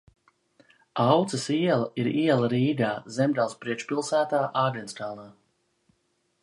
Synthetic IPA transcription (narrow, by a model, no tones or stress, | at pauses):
awt̪sɐsiɛlˠɐiɾiɛlˠɐɾiːɡaːzɛmd̪alˠspɾiɛt͡ʃpilˠsæːt̪aːʔaːɡɛnst̪aːlaː